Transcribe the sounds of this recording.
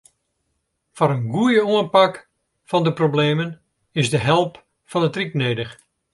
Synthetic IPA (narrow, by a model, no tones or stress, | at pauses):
fɔɾənɡuəjəuənpak | fɑndəprobleːmən | ɪzdəɦɛlˠp | fɑnətrikneːdəx